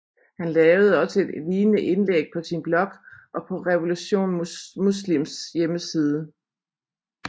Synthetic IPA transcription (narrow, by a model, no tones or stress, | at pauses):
hænlɛːʊð̞̩ˠəɒ̽səe̝d̥liːnəʔe̝nlḛɡ̥̚pʰɒ̽sinb̥lɒ̽ɡ̥ʔɒ̽pʰɒ̽ʁɛʋo̝luɕo̝̰ːnmuslimsjeməsiːð̞ˠə